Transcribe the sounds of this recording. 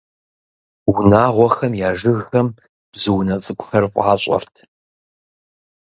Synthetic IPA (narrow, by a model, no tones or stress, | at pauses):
wunaːʁʷɔxɐmjaːʒɨɣxɐm | b̥zɨwnɐt͡sʼɨkʷʰʼʊxɐrfʷʼaːɕʼɔ̰rtʰ